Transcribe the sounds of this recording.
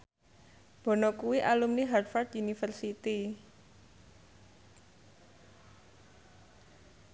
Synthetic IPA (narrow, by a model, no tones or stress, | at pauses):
b̥ɔ̤nɔkuwiʔalumniɦard̪fard̪unifərsit̪i